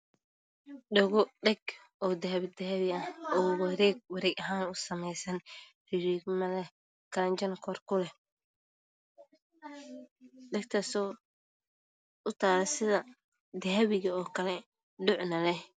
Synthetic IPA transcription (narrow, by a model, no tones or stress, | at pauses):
ɖɐɣɔɖɛɡ | ɔːd̪ɐɦɐβd̪ɐɦɐβɪɐhɔːwɐɾɛːɡ̚wɐɾɛːɡɐɦaːnʊsɐmɛjsɐn | rɪɾiːɡmɐlɛ | kʰɐlɐɲt͡ʃɐnkʰɔrkʰʊlɛ | ɖɛɡ̚t̪ʰɐsɔː | ʔʊt̪ʰaːlɛsɪðɐ | d̪ɐɦɐβɪɣɐɔːkʰɐlɛ | ɖʊʕnɐlɛ